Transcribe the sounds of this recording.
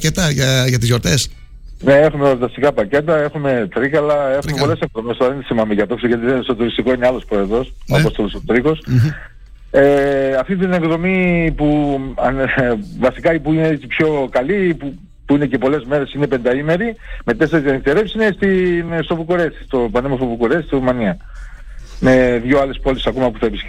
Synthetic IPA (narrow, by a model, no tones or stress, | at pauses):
cet̪ɐʝɐʝɐt̪izʝoɾt̪es | neexumet̪ɐst̪ikɐpɐce̞t̪ɐe̞xume̞t̪ɾikɐlɐe̞xumeppo̞le̞seŋðo̞mest̪oɐðent̪isimɐmiʝɐt̪oksoʝɐt̪̬iðest̪o̞t̪uɾist̪iko̞ineɐlo̞spɾo̞eðo̞soɐo̞st̪o̞lo̞sot̪ɾiko̞s | eɐft̪it̪ine̞ŋɡðo̞mipuɐnvɐsikɐipuineet͡sipço̞kɐlipu | puine̞ce̞po̞le̞zme̞ɾe̞sine̞pe̞nd̪ɐime̞ɾime̞t̪e̞seɾet̪iɐnist̪eɾe̞psinest̪inst̪o̞vukoɾesi̥st̪o̞pɐnemosovukuɾesisɾumɐniɐ | me̞ðʝoɐle̞spo̞lisisɐkomɐpuθɐepisk